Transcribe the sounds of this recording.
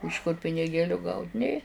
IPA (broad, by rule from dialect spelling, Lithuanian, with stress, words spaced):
ɪʃ kʊr pʲɪnʲɪˈɡʲeːlʲʊ ɡɐʊtʲ ˈnʲeː